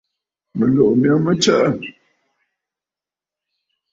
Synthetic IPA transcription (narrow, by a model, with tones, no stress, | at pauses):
mə˨lo˨ʔmjɔ˦mə˦t͡ʃə˦ʔə˦˨